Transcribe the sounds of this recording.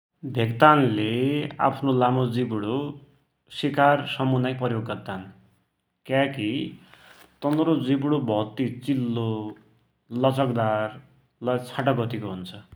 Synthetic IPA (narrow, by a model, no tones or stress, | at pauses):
bʱeɡt̪anlea̰pʰnolamod͡zibɽo | sikarsʌmunajpʌjoɡːʌd̪an | kjaki | t̪ʌnɾod͡zibɽobʱʌt̪it͡silːo | lʌt͡sʰʌkd̪ar | lʌt͡sʰaʈʌɡʌt̪ikoɦunt͡sʰʌ